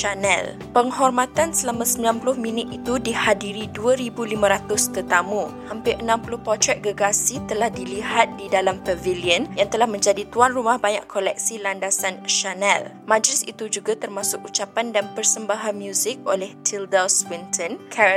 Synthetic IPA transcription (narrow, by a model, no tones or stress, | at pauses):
ʃanɛ̰l | pəŋɦɔrmat̪ansəlamãsəmbilanpulʊhmĩnɪt̪it̪udihadiɾiduaɾibulimãɾat̪ʊst̪ət̪amũhampɪʔənãmpulʊhpɔrt̪ɾɛt̪̚ɡəɡasit̪əlahdiliɦat̪̚didalampəviliənjaŋt̪əlahmə̃ɲd͡ʒadit̪uanrumahbaɲa̰kkʰːolɛk̚silandasanʃanɛl | mãd͡ʒlɪsḭt̪ud͡ʒuɡat̪ərmasʊk̚ut͡ʃapandanpərsəmbaɦanmjuzɪk̚olɛht̪ʰildaswint̪ʰɔnkʰɛ